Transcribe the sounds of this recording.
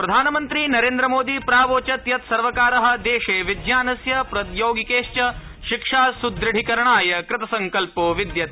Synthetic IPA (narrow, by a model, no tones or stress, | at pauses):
pɾɐd̪ʱaːnɐmɐnt̪ɾinɐɾeːnd̪ɾɐmoːd̪ipɾaːʋoːt͡ʃɐt̪jɐt̪sɐɾʋɐkaːɾɐɦɐ̆d̪eːʃeːʋid̪jaːnɐsjɐpɾɐt̪joːɡikeːʂt͡ʃɐ | ʃikʂaːsud̪ɾɪɽ̤ʱikɐɾɐɳaːjɐkɾɪt̪ɐsɐŋkɐlpoːʋid̪jɐt̪